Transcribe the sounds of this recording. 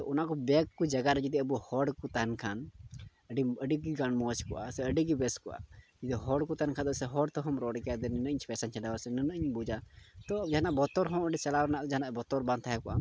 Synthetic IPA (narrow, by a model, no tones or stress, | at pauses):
t̪ɔʔɔnaʔkɔbɛkkɔd͡ʒaɡaɾɛd͡ʒid̪iəbuhɔɖkɔt̪ankʰan | əɖiəɖiɡiɡaɳmɔt͡ʃkɔʔa̰sɛəɖiɡibɛskɔʔa̰d͡ʒid̪iɦɔɖkɔt̪ankʰand̪ɔsɛɦɔɖt̪ɔɦɔmɾɔɖkɛjad̪ɛnɛnəɲspɛsant͡ʃʰɛdawasɛnɛnəəɲbud͡ʒat̪ɔd͡ʒaɦanaʔbɔt̪ɔɾɦɔ̃əɖit͡ʃalawɾɛnaʔt̪ɛd͡ʒaɦnaʔbɔt̪ɔɾbãnt̪ʰajɛkɔʔa̰